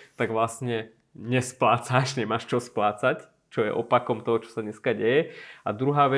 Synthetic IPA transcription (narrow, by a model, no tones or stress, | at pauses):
t̪aɡʋlastɲɛ | ɲɛsplaːt͡saʃɲɛmaːʃt͡ʃɔsplaːt͡sac | t͡ʃɔjɛ̰ʔɔpakɔmt̪ɔɦɔt͡ʃɔ̥sad̪ɲɛskaɟɛjɛa̰d̪ɾuɦaːʋɛ